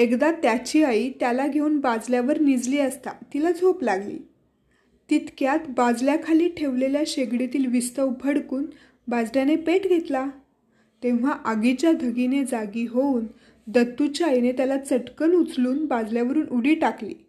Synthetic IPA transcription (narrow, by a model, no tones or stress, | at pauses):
ekd̪at̪jat͡ɕiːait̪jalaɡʱeuːnbad͡zljaʋəɾnid͡zliːəst̪a̰t̪ilad͡zʱoplaɡlḭː | t̪it̪kjat̪bad͡zljakʰaliːʈʰeʋleljaɕeɡɽit̪iːlʋist̪əwpʰəɽkuːn | bad͡zɽjanepeʈɡʱet̪la | t̪ẽʋ̤aʔəɡit͡ɕjad̪ʱəɡined͡zaɡiːɦouːn | d̪ət̪ːut͡ɕaːinet̪jalat͡səʈkənut͡sluːnbad͡zljaʋəɾuːnʔuɽiːʈaklḭː